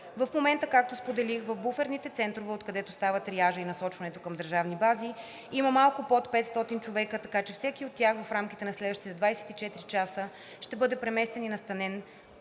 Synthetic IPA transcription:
vɐfmomɛnt̪əkak̚t̪ospod̪ɛlixvəvbufɛɾnit̪ɛt̪sɛnt̪ɾovɛot̪kɐd̪ɛt̪ost̪avət̪ɾiaʒəinɐsɔt͡ʃvɐnɛt̪okəmd̪əɾʒavnibazi | iməmalˠkʊpɔt̪pɛt̪st̪ɔt̪int͡ʃovɛkət̪ɐkat͡ʃɛfsɛkiot̪ːʲjaxvɐfɾamkʲit̪ɛnɐslɛd̪vəʃt̪it̪ɛd̪vajsɛ̥t̪it͡ʃɛt̪ɾit͡ʃasə | ʃt̪ɛbɤd̪ɛpɾɛmɛst̪ɛninɐst̪ɐnɛn

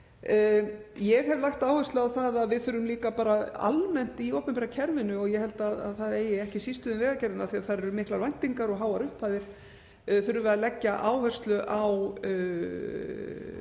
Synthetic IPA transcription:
jɛɣhɛvlaxt̪aːwhœrst̪lʏawθaðaðvɪðθʏɾʏmliːkapaːɾaa̰lmɛn̥t̪iowpɛmpɛɾacʰɛɾvɪnʏɔɣjɛhɛlt̪aða̰ðθaðeːjɪɛhcɪsist̪ʏðɪnvɛːɣacɛɾðɪnaθiaðθaðɾɛɾʏmɪhklaɾvajn̥t̪iŋkaɾɔɣɦaːwaɾʏhpʰaːðɪɾ̥ | θʏɾʏvɛalɛcːaʔaːwhœr̥st̪lʏʔaw

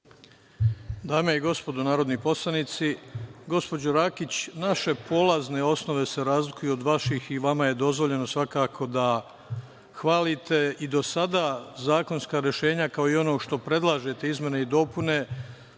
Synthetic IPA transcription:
d̪aːmeiɡo̞spo̞d̪onaːɾo̞d̪nipo̞slˠanit̪siɡo̞spo̞d͡ʑoɾakit͡ɕnaʃe̞po̞lazne̞o̞sno̞ʋe̞seɾaːzlikujuod̪ʋaʃixiʋamaje̞d̪o̞zʋo̞ʎe̞no̞sʋakaːkʰo̞d̪a | xʋaːlit̪e̞id̪o̞sad̪azaːko̞nskaːɾje̞ʃe̞ːɲakao̞io̞no̞ːʃt̪o̞pɾe̞d̪lˠaːʒe̞t̪e̞izmʲje̞ne̞id̪o̞pune̞

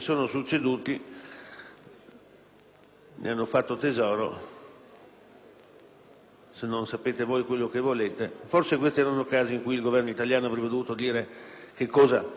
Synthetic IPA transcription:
soːnosut͡ʃːed̪uːt̪i | nḛanːofat̪ːot̪ezɔːɾo̰ | senːonsapeːt̪evoːjkwelːokevoleːt̪eforsekwest̪iɛːɾanokaːziiŋkujilɡovɛrnoit̪aljaːnoavɾɛbːed̪ovuːt̪od̪iːɾekekːɔːza̰

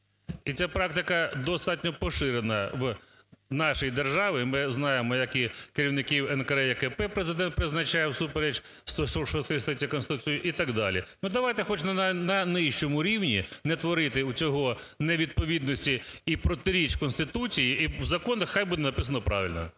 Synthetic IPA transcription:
it͡sʲapɾɑkt̪ɪkɐd̪ɔst̪ɑtʲnʲɔpɔʃɪɾenɐw | nɑʃɔjid̪erʒɑʋɪmɪznɑjemɔjɐkikeɾʲiwnɪkʲiwɛnkɐɾɛjɛkɛpɛpɾezɪd̪ɛnt̪̚pɾɪznɐt͡ʃajɛwsupeɾet͡ʃ | st̪ɔsɔʃɔst̪ɔjist̪ɪt͡sʲiɐkɔnst̪ɪt̪ut͡sʲijʊʔit̪ɐɡd̪ɑlʲḭnud̪ɐʋɑjt̪ɛxɔt͡ʃnnɐnɪʃt͡ʃɔmʊɾʲiwnʲinɛt̪ʋɔɾɪt̪ɪut͡sʲɔɦɔ | nɛʋʲid̪̚pɔʋʲid̪nɔsʲtʲiːpɾɔt̪ɪɾʲit͡ʃkɔnst̪ɪt̪ut͡sʲijiiwzɐkɔnɐxxajbud̪ɛnɐpɪsɐnɔpɾɑ̰ʋʲɪ̰lʲnɔ̰

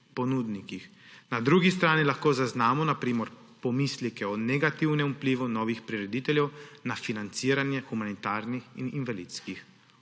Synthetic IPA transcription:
pɔnuːd̪nikix | nad̪ɾuːɡist̪ɾaːnilaxkoːzaznaːmɔnapɾiːmɔɾ | pɔmislikɛɔnɛɡat̪iwnɛmupliːʋunɔːʋixpɾiɾɛd̪it̪ɛljɛwnafinant̪siːɾanjɛxumanit̪aːɾnixḭninʋalit̪skix

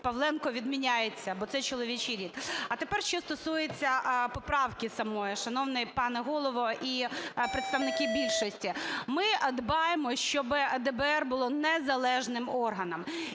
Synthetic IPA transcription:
pɐʋlˠɛnkɔʋʲid̪mʲinʲajet͡sʲːɐbɔt̪sɛt͡ʃɔlˠɔʋʲit͡ʃiɾʲit̪ɐt̪epɛrʃt͡ʃɔst̪ɔsujet͡sʲːɐpɔpɾɑwkɪsɐmɔjiʃɐnɔwnɛjpɑnɛɦɔlˠɔʋɔʔipɾɪt̪st̪ɐʋnɪkɪbʲilʲʃɔsʲtʲimɪd̪bɑjemɔʃt͡ʃɔbɪd̪ɛbɛɛrbʊlˠɔnɛzɐlˠɛʒnɪmɔrɦɐnɐm

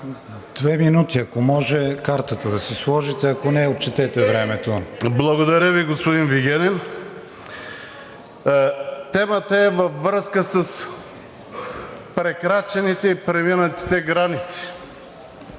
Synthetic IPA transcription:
d̪̥vɛminut̪iɐkomɔʒɛkaɾt̪ət̪əd̪ɐsɛslˠɔʒit̪ɛɐkonɛot̪̚t͡ʃɛt̪ɛt̪ɛvɾɛmɛt̪oblˠɐɡod̪ɐɾʲəviɡospod̪inviɡʲɛnɛn | t̪ɛmət̪əɛvɐfːɾəskəsəs | pɾɛkɾat͡ʃɛnit̪ɛipɾɛminət̪i̥t̪ɛɡɾanit̪si̥

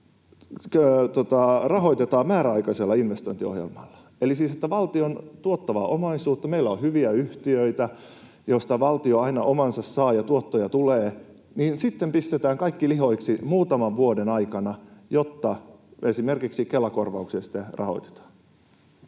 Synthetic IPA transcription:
øt̪ot̪ɑrɑɦoit̪et̪ɑːmæːɾæɑikɑselːɑinʋest̪oint̪io̰hjḛlmɑlːɑ̥ | elisiːset̪ːæʋɑlt̪iont̪uot̪ːɑʋɑʔomɑisuːt̪ːɑmeilːæohyʋiæyht̪iøit̪æ | jost̪ɑʋɑlt̪ioɑinɑʔomɑnsɑssɑːjɑt̪uot̪ːojɑt̪uleː | niːnsit̪ːempist̪et̪æːŋkɑikːilihoiksimuːt̪ɑmɑʋʋuodenɑikɑnɑjot̪ːɑesimerkiksikelːɑkorʋɑuksiɑsi̥t̪ːerʔɑ̰ho̰it̪e̥t̪ɑ̥ː

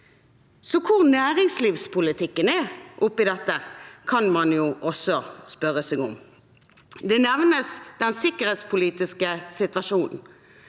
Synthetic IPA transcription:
sɔkʰʊʁnæːʁɪŋsliːʋspʰʊlɪt̪ʰɪkːənɛʔʊpːɪd̪ɛt̪ːəkʰɑnmɑnjuːʔɔsːɔspœʁəsɛːɡʊm | d̪ɛnɛʋnəsd̪̥ɛnsɪkəʁheːt̪spʰʊliːt̪ɪskəsɪt̪ʋɑʃuːnn̩

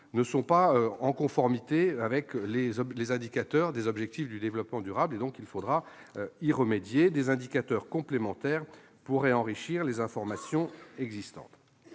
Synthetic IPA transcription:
nəsɔ̃paøɑ̃kɔ̃fɔʁmit̪eavɛklezɔlezɛ̃d̪ikat̪œʁd̪ezɔbʒɛk̚t̪ifd̪yd̪evlɔpmɑ̃d̪yʁabled̪ɔ̃kilfod̪ʁa | iʁəmed̪jed̪ezɛ̃d̪ikat̪œʁkɔ̃plemɑ̃t̪ɛːʁ | puʁɛɑ̃ʁiʃiʁlezɛ̃fɔʁmasjɔ̃ɛɡzist̪ɑ̰̃t̪

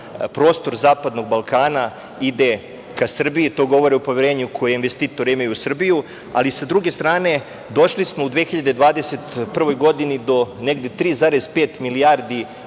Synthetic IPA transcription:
pɾo̞ːst̪o̞ɾzaːpad̪no̞ɡ̚balˠkaːna | id̪e̞ | kasr̩biit̪o̞ːɡo̞ʋo̞ɾeupo̞ʋʲjeɾeːɲukʰo̞jeinʋest̪iːt̪o̞ɾeimajusr̩biju | a̰lisad̪ɾuɡe̞st̪ɾaːne̞ | d̪o̞ʃlismo̞ud̪ʋeːxiʎad̪ed̪ʋaːd̪e̞se̞t̪pr̩ʋo̞jɡo̞d̪inid̪o̞neɡd̪e̞t̪ɾiːzaːɾezpeːt̪milijaɾd̪i

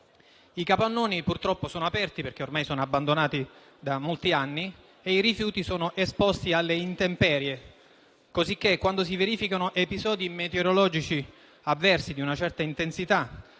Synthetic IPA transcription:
ikapanːoːnipurt̪ɾɔpːosoːnoapɛrt̪iperk̟eormajsoːnoabːand̪onaːt̪i | d̪amolt̪ianːi | eiɾifjuːt̪isoːnoʔespost̪ialːeint̪empɛːɾje | kozik̟ːekːwand̪os̬iveɾiːfikanoʔepizɔːd̪imet̪eoɾolɔːd͡ʒit͡ʃi | avːɛrsid̪iunat͡ʃɛrt̪aint̪ensit̪a

